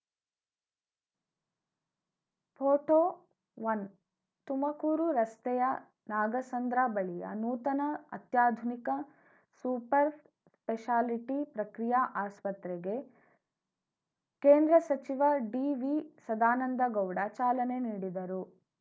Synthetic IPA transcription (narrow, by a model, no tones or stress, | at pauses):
pʰoːʈoː | ʋɐn | t̪umɐkuːɾuɾɐst̪ɛjɐ | naːɡɐsɐnd̪ɾaːbɐɭijɐ̰nuːt̪ɐnɐɐt̪jaːd̪ʱunikɐ | suːpɐɾ | speʃaːliʈipɾɐkɾijaʔaːspɐt̪ɾɛɡe̞ | keːnd̪ɾɐsɐt͡ʃiʋɐɖiʋisɐd̪aːnɐnd̪ɐɡɐwɽat͡ʃaːlɐneniːɽid̪ɐɾu